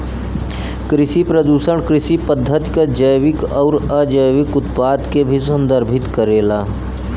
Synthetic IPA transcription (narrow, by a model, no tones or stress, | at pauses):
kɾɪʃipɾəd̪uːsəɽ̃kɾɪʃipəd̪ʱːət̪i̥kad͡ʒəjʋɪkɔːɾəd͡ʒəjʋɪkʊt̪paːd̪kebʱisə̃nd̪əɾbʱɪt̪kəɾeːlaː